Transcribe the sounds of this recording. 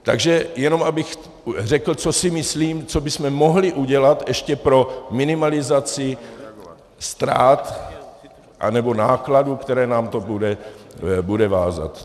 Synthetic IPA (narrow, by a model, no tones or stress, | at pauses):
t̪a̰ɡʒɛjɛno̞mabɪx | rɛkl̩t͡so̞sɪmɪsliːmt͡so̞bɪsmɛmo̞ɦlɪʔuɟɛlat̪ʔɛʃcɛpɾo̞mɪnɪmalɪzat͡sɪ | st̪ɾa̰ːt̪ | ʔa̰nɛbo̞naːkladukt̪ɛɾɛːnaːmt̪o̞budɛ | budɛva̰ːza̰t̪